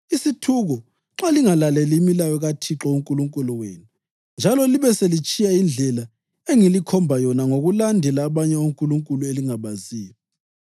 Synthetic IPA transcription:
isitʰuɣɔ | ǁaliŋalalɛliːmilajɔɣatʰiǁɔuŋkʼuluŋkʼulɔwenu | nd͡ʒʱalɔliβɛselit͡ʃʼijaind͡ɮʱɛla | eŋilikʰɔmbʱajɔnaŋoɣulandʱɛlaːβaɲɛoŋkʼuluŋkʼulueliŋaβaziːjɔ

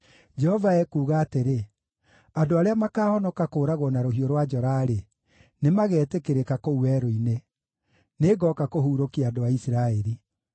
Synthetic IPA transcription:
d͡ʒɛhɔvaɛkuːɣaːteɾe | adoaɾeamakaːhɔnɔkakoːɾaɣwɔnaɾoɦioɾwad͡ʒɔɾaɾe | nemaɣɛːtekeɾekakouwɛɾoine | neɡɔkakohuːɾokiaːdoaisiɾaɛɾi

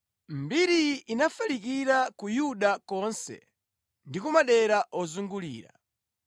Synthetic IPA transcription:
mbiɾiinafalikiɾakujuɗakɔnsɛ̰ | ndikumaɗɛɾaʔɔzuŋɡulḭːɾa̰

